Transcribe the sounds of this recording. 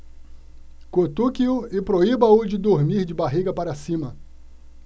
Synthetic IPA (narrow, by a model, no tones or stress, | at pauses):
kot̪ukiʊɪpɾoibɐʊd͡ʒɪd̪oɾmiɾd͡ʒɪbaɦiɡɐpaɾɐsĩmɐ